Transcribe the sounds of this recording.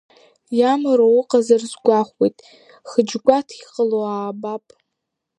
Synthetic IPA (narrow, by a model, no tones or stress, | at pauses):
jamɨɾowʊqʼazarzɡʷaχʷijtʼ | χəd͡ʒɡʷatʰiqʼəloaːbapʼ